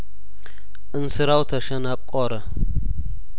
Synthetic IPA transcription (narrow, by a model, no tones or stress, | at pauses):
ɨnsɨɾawt̪ʰɐʃɐnap̚ʼkʼɔɾɐ